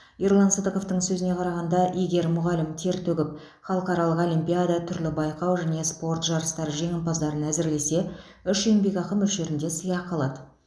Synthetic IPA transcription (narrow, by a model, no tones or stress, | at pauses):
iɾlˠɑnsəd̪əqo̞ft̪əɴsɵzɪne̞qʰɑɾɑʁɑnd̪ɑʔijɡʲe̞ɾmʊʁɑlɪmt̪ʰe̞ɾt̪ʰɵɡʲɪp̚ | χɑlˠəqɑɾɑlˠəqo̞limpʲijad̪ɑt̪ʰʏɾlɪbɑjqɑwʒæne̞spo̞rt̪ʒɑɾəst̪ɑɾʒe̞ŋʲɪnpɑzd̪ɑɾənæzɪɾle̞se̞ | ʏʃujɪmbe̞kʲɑqəmːɵlʃe̞ɾɪnd̪e̞səjɑqʰːɑlˠɑd̪ə